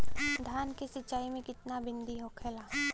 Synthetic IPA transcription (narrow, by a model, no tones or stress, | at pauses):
d̪ʱjaːnkesɪt͡ʃːaːimẽkɪt̪nabɪ̃nd̪iɦoːkʰɛːlaː